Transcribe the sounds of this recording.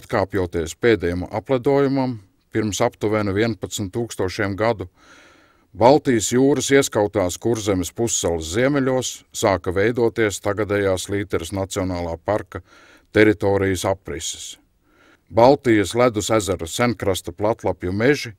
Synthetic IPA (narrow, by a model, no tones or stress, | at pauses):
at̪kaːpjuɔt̪iɛspeːd̪ɛjam̰ʔaplˠad̪uɔjumam | piɾmsapt̪uvenuviɛnpat̪snt̪ːuːkst̪uɔʃiɛmɡad̪u | balˠt̪ijəsjuːɾɐsiɛskawt̪aːskuɾzemɪspusːɛlsziɛmɛlʲuɔsːaːkɐvɛjd̪uɔt̪iɛst̪aɡad̪ɛjaːsliːt̪ɛɾɪsnat̪siɔnaːlˠaːpaɾkɐ | t̪ɛɾit̪ɔːɾijəsapːɾisɪ̥s | balˠt̪ijəslæd̪usæzæɾɐsænkɾast̪ɐplˠat̪lˠapjumeʒi